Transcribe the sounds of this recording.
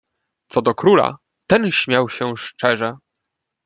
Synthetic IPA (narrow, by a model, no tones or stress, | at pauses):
t̪sɔd̪ɔkɾula̰ | t̪ɛnɕmʲjawɕɛʂt͡ʂɛʐɛ